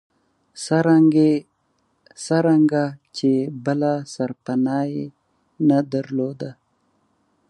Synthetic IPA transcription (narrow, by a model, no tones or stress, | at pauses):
saɾaɡe | saɾaŋɡat͡ʃebəlasaɾpanɑje | nad̪aɾlod̪a